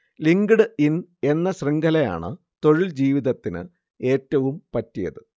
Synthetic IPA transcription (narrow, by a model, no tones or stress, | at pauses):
liŋɡɨɽɨine̞nːɐɕriŋɡʱɐlɐja̰ːɳɨ̰ | t̪o̞ɻild͡ʑiːʋiðɐt̪ːinɨ̰ | e̞ːtːɐʋumpɐtːijɐ̰ðɨ